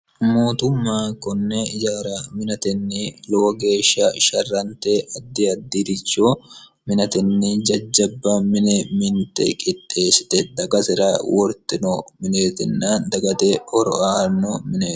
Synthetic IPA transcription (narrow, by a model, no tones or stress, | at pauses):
mo̞ːt̪ʊmːaːkɔnːɛɪd͡ʒaːɾɐmɪnɐt̪ɛnːɪlɔwɡe̞ːʃːɐʃɐrːɐnt̪eʔɐd̪ːɪɐd̪ːiɾɪt͡ʃːoː | mɪnɐt̪ɛnːɪd͡ʒɐd͡ʒːɐbːɐmɪnɛmɪnt̪ɛ̰kʼɪt̪ʼːe̞ːsɪ̥t̪ɛd̪ɐɡɐsɪɾaːwɔɾt̪ɪnɔmɪneːt̪ɪnːaːnd̪ɐɡɐt̪eɔɾɔ̰ʔahɐnːomɪneː